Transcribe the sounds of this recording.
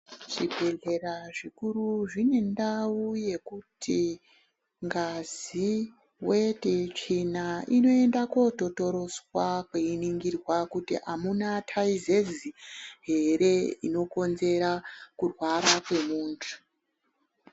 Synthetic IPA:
ʐ̥ibʱe̞ɮe̞ɾaʐikuruʐine̞ndauje̞kutʰi | ŋɡazi | wetet͡ʂinaʔino̞e̞ndako̞to̞to̞ɾo̞zwakweiniŋɡirwakutḭʔamunatʰaizeziɦe̞ɾe̞ḭno̞ko̞nze̞ɾakurwaɾakwe̞muːntʰu̥

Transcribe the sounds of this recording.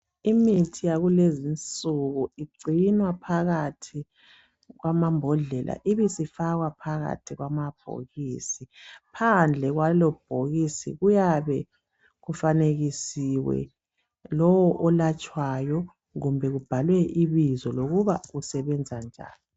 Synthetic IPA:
imitʰijaɣulezint͡sʼuɣuiɡ͡ǀʱinwapʰaɣatʰi | ɣwamambʱɔɮɛlʔa̰ʔiβisifaɣwapʰaɣa̰tʰiɣwamab̥ʱo̰ɣiːsipʰand͡ɮʱɛɣwalɔb̥ʱoɣisḭɣujaβɛ | ɣufaneɣisiwɛ̰ | lɔwɔʔɔlat͡ʃʼwajɔ | ɣumbʱɛɣub̥ʱalwɛʔiβizɔloɣuβaɣusɛβɛnd͡zʱand͡ʒʱa̰ːli

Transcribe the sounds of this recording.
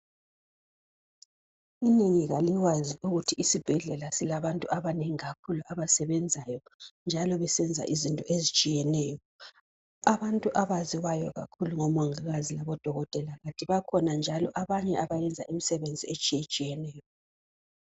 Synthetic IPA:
ineŋiɣaliwaziuɣutʰiisib̥ʱɛɮɛlasilaβantʼuaβaneŋiɣakʰuluʔaβasɛβɛnd͡zʱajɔnd͡ʒʱalɔβɛsɛnd͡zʱa̰ʔizintʼɔʔezit͡ʃʼijɛnɛːjɔ | aβantʼuʔaβaziwajɔɣa̰kʰuluŋɔmɔŋiɣazilaβɔd̥ʱɔɣɔtʼɛlaɣatʼiβakʰɔnand͡ʒʱalɔʔaβaɲɛaβajɛnd͡zʱaʔimisɛβend͡zʱiet͡ʃʼijet͡ʃʼijɛnɛːjɔ

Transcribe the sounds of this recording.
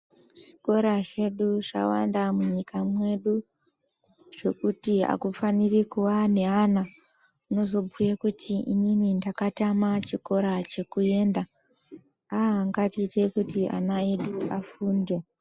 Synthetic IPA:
ʐ̥iko̞ɾaʐe̞ɗuʐa̰wa̰ndamuɲikamwe̞ɗu | ʐ̥e̞kutia̰kufanirikuwane̞ɦana | uno̞zo̞bʱujekutʰiḭninindakatamat͡ʃiko̞ɾat͡ʃe̞kue̞ːnda | aːŋɡatite̞kutia̰naeɗuafuːnde

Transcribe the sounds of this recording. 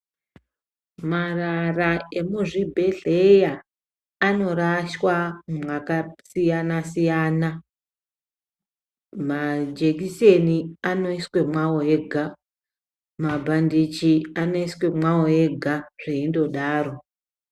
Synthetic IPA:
mararae̞muʐibʱe̞ɮe̞jaː | no̞ɾaʃwamwakasijanasijaːna | mad͡ʒekiseniano̞iswe̞mwawoeɡʱa | mabʱandit͡ʃiano̞iswe̞mwawoe̞ɡʱaʐ̥eindo̞ɗaːɾo̞

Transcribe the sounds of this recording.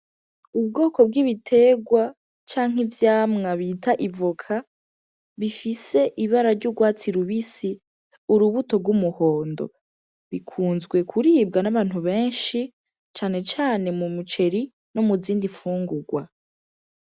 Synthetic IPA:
ub̚ɡo̞ːko̞b̚ɡiβitʰe̞ɡwa | t͡ʃaːŋ̥ivjaːmŋaβitaʔivokʰa | βifise̞ʔiβaɾaɾɟuɡwaːt͡siɾuβisi | uɾuβuto̞bɡwumuho̞ːndo̞̰ | βikʰuːnzɡwe̞kʰuɾiːb̚ɡanaβaːn̥huβe̞ːnʃi | t͡ʃaːne̞t͡ʃaːne̞mumut͡ʃe̞ɾi | no̞muziːndiɱfuːŋɡuɡwa

